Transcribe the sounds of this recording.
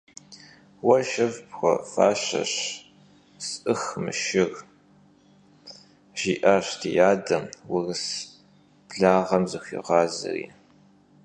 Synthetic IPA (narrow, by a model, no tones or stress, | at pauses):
wɐʃɪvpxʷɔfa̰ːɕɐ̰ɕ | sʔɨxmɨ̰ʃɪr | ʒ̥iːʔaɕdʰijaːdɐmwɪrs | b̥ɮaːʁɐmzɨxʷḭːʁɑːzɨ̰rḭː